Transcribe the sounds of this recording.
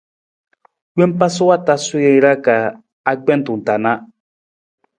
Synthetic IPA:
we˦m˦pa˦sʊ˦wa˦ta˦su˦je˦ɾa˦ka˨ | a˦ɡ͡bɛ˦n˦tu˨n̩˨ta˨na˦

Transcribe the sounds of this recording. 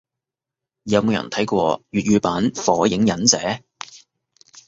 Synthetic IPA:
jɐ˨˧mo˨˧wjɐ̰˨˩nt̪ʰɐ˨˥jkʷɔː˧jyː˨t̚ɥyː˨˧paː˨˥nfɔː˨˥jɪ˨˥ŋjɐ˨˥nt͡sɛː˨˥

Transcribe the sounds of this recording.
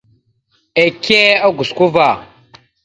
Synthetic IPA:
e˨ke˦a˦ɡu˨sku˦va˨

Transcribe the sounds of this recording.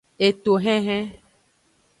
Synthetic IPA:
e˨t̪o˨ɦɛ̃˦ɦɛ̃˦

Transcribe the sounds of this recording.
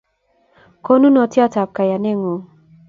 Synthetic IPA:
ko˦nu˦nɔ˨˦tjɔ˦ta˨p̚ka˨ja˨ne˦ŋo˨

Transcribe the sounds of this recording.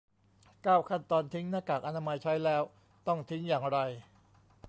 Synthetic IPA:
kaː˥˩wkʰa˥˩nt̪ɔː˧nt̪ʰi˦˥ŋnaː˥˩kaː˨˩k̚ʔa˧naː˧ma˧jt͡ɕʰa˦˥jlɛː˦˥w | t̪ɔ˥˩ŋt̪ʰi˦˥ŋjaː˨˩ŋɾa˧j

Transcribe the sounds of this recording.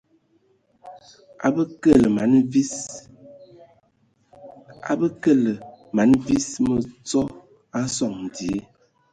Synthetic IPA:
a̰˨bə˦kə˦˨lə˨ma˨˦nvi˦ | a̰˨bə˦kə˦˨lə˨ma˨˦nvi˦smə˨t͡sɔ˦ | a˦sɔ˦˨ŋ˨di˨e˦

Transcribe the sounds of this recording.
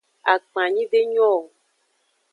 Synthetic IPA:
a˨k͡pã˨ɲĩ˦ɖe˦ɲɔ̃˦o˨

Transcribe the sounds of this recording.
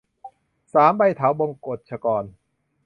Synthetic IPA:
saː˩˦mba˧jt̪ʰaː˩˦wbo˧ŋkoː˨˩t̪̚t͡ɕʰa˧kɔː˨˧n

